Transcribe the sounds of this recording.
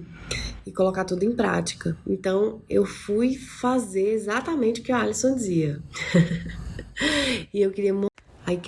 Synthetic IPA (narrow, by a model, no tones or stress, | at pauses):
ɪkolokat̪ud̪ʊẽj̃pɾa̰t͡ʃi̥kɐḛ̃nt̪ɐ̃w̃ewfujfazeɾezat̪ɐmẽt͡ʃɪʊkɪualisõd͡ʒɪziɐ | ɪewkɪɾiɐm | aik